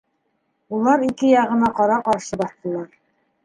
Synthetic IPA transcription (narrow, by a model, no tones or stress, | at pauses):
ulˠɑɾikɘjɑʁɤ̆nɑqɑɾɑqɑɾʃɤbɑθt̪ɤ̆lˠɑɾ